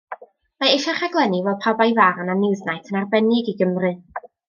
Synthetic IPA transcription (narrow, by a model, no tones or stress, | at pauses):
maɪʃaχaɡlˠɛnivɛlˠpʰabajvaɾananɪwðnajtʰənarbɛnɪɡiɡəmrɨ